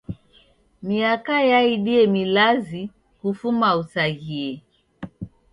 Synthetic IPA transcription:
miakajaiɗiɛmilazi | kufumausaɣiɛ

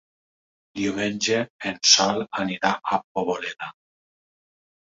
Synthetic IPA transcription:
d̪iumenʲd͡ʒeːnsalaniɾaapoβoleða

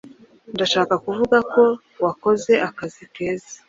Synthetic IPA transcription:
ndaʃaːkakuvuɡako̞ | wako̞ze̞ʔakazike̞ːza

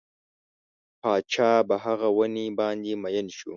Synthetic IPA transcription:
paːt͡ʃaːbaɦaɣawɐnibaːnd̪imɐjɐnʃu

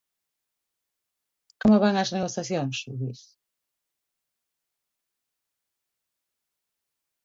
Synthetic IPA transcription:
komoβaŋɐzneɣoθjaθjoŋsuβiɾ

